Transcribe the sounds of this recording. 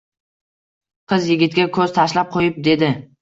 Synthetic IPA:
qʰɨzjɪɡʲɪt̪̚ɡʲakʰɵz̥t̪ʰaʃlap̚qʰojɪp̚d̪e̞d̪ɪ

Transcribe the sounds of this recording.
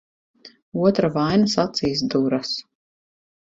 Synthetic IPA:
uɔt̪ɾavajnasat̪siːs̬d̪uɾas

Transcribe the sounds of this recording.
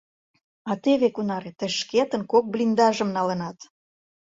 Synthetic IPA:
ɑt̪eβekunɑɾet̪ə̆ʃket̪ənkok̚blʲind̪ɑʒəmnɑlənɑt̪

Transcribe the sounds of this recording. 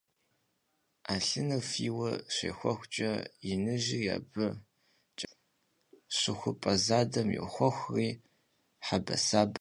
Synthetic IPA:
aːɬɨnɐfiːwɐɕḛːxʷɔxʷt͡ʃʼɐjɪnɨʒija̰ːbɨ | t͡ʃʼ | ɕɪxʷʊpʼɐzaːdɐmjɛ̰xʷɔxʷriː | ħabɐ̰saːb

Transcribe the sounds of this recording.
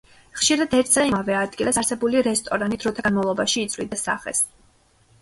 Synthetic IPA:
χʃiɾad̪ɛɾt̪ʰzaimavɛad̪ɡilˠasaɾsɛbuliɾɛst̪ʼɔɾanid̪̥ɾɔt̪ʰaɡnmavlˠɔbaʃiːt̪sʼlḭd̪ɛsa̰χɛ̰s

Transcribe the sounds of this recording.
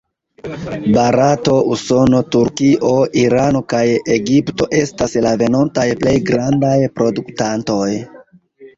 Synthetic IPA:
baɾato̞ʔuso̞no̞tuɾkiʔo̞ʔiɾano̞kajeɡipto̞ʔe̞staslave̞no̞ntajple̞jɡɾandajpɾo̞duktanto̞j

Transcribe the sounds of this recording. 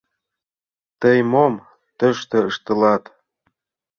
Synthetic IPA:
t̪əjmom | t̪ə̆ʃt̪ɤ̆əʃt̪ə̆lɑt̪

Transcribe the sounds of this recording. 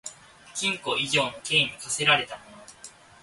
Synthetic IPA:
kʲĩŋko̞iʑo̞ːno̞ke̞ːɲ̟ikase̞ɾaɾe̞t̪amo̞no

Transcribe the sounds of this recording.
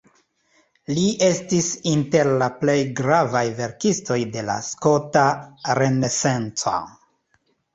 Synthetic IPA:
liʔe̞stisinte̞ɾlaple̞jɡɾavajve̞ɾkisto̞jde̞la̰sko̞taɾe̞ne̞se̞nt͡sa̰

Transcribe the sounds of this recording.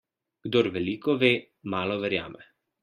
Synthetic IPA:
ɡ̥d̪oɾʋɛliːkɔʋeː | maːlɔʋɛɾja̰ːmɛ

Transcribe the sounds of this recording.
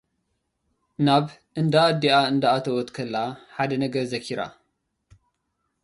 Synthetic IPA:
naβ | ʔɨnd̪aːd̪iaɨnd̪aat̪ʰɐwɔt̪kʰɐlːaħad̪ɐnɐɡɐɾzɐkʰiɾa̰

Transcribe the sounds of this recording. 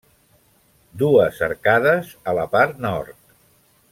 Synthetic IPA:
d̪uəsə̰ɾkaðəzələpaɾt̪nɔɾt̪̚

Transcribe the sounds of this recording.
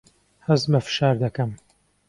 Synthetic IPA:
hɐzmɐfɨ̥ʃaːɾd̪ɐkɐm

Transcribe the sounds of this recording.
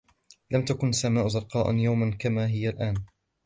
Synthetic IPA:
lamt̪akʊnasːamaːʔʊzɑɾˤqɑːʔa̰njawmankamaːɦɪjalʔaːn

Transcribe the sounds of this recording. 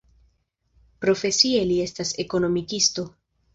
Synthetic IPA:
pɾo̞fe̞sie̞lie̞stase̞ko̞no̞mikisto̞

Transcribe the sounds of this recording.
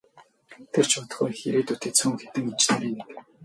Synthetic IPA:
t̪ʰer̥t͡ɕʰʊt̪ə̥̆χuxeɾeːt̪ut̪ʰeːt͡sʰuːŋxe̥t̪ɘ̆ŋit͡ɕt̪ʰæɾʲiːnek

